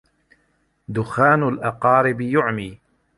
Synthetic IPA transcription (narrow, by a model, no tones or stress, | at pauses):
d̪ʊxaːnalʔɑqɑːɾɪbjʊʕmiː